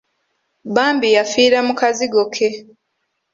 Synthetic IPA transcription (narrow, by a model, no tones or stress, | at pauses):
baːmbijafiːɾamukaziɡokʰe̞